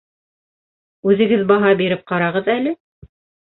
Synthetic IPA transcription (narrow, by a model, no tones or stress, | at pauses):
ʉðɘ̆ɡɘðbɑɦɑbiɾɘp̚qɑɾɑʁɤðælɘ